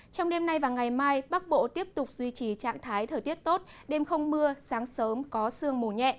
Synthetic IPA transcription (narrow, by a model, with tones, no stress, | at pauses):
t͡ɕɔ˧wŋ͡mɗe˧mna˧jvaː˨˩ŋa˨˩jmaː˧jɓa˦˥k̚ɓo̰˧˨t̪i˦˥əp̚t̪ʊ˨˩k͡p̚zwi˧t͡ɕi˨˩t͡ɕa̰ː˧˨ŋt̪ʰaː˨˦jt̪ʰəː˨˩t̪i˦˥ət̚t̪o˦˥t̚ɗe˧mxə˧wŋ͡mmɨ˧əsaː˨˦ŋsəː˨˦mkɔ˨˦sɨ˧əŋmu˨˩ɲɛ̰˧˨ʔ